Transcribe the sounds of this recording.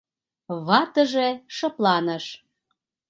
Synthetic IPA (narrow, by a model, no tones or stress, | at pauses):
βɑt̪ə̆ʒeʃɤ̆plɑnəʃ